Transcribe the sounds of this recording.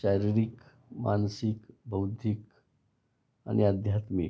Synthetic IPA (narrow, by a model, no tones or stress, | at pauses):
ɕajɾiɾik | ma̰nsikbəwd̪ʱik | a̰niəd̪ʱjat̪mḭk